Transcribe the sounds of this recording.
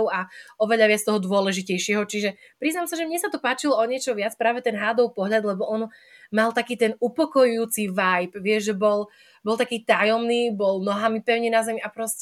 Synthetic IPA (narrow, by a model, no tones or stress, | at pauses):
ʊaɔʋɛʎaʋɪat͡st̪ɔɦɔd̪ʊɔlɛʒicɛjʃɪɛɦɔt͡ʃiʒɛ | pɾiznamsaʒɛmɲɛsat̪ɔpaːt͡ʃilɔɔɲɪɛt͡ʃɔʋɪat͡spɾaːʋɛt̪ɛnɦaːd̪ɔʊpɔɦʎad̪lɛbɔʔɔnmalt̪akiːt̪ɛnupɔkɔjujuːt͡siʋajpʋɪɛʒʒɛbɔl | bɔlˠt̪akiːt̪ajɔmniːbɔlnɔɦamipɛʊɲɛnazɛmiʔapɾɔscɛ